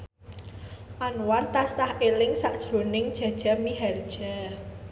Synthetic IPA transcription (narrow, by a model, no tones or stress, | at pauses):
ʔanwart̪ast̪ahʔelɪŋsaʔd̥ʒ̥ɾo̤nɪŋd̥ʒ̥a̤d̥ʒ̥amiɦɛrd̥ʒ̥a